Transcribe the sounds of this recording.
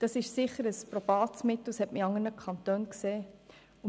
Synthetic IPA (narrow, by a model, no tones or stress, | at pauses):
d̥ɑsɪʃsɪχəɾəspɾɔb̥ɑːtsmɪt̪l̩shɛtməɑŋənəkʰɑntøːnkseː | ʊ